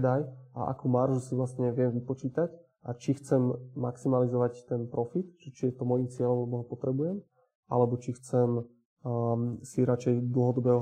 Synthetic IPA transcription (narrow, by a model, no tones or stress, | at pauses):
d̪ajʔa̰ʔa̰kumaɾʒusiʋlast̪ɲɛʋɪɛmʋipɔt͡ʃiːt̪ac | ʔat͡ʃixt͡sɛmːaksimalizɔʋact̪ɛnpɾɔfit̪ʒɛt͡ʃijɛt̪ɔmɔjimt͡sɪɛʎɔmlɛb̪ɔɦɔpɔt̪ɾɛbujɛm | ʔa̰lɛbɔt͡ʃixt͡sɛm | siɾat͡ʃɛjd̪l̩ˠɦɔd̪ɔbɛːɦɔ